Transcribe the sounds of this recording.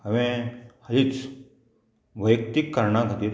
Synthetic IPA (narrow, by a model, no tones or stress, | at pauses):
əʋẽhəɦit͡s | ʋəjkt̪ikːəɾɳakʰət̪iːɾ